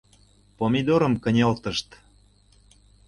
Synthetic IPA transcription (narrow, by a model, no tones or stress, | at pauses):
pomʲid̪oɾə̆mkə̆nʲelt̪ə̆ʃt̪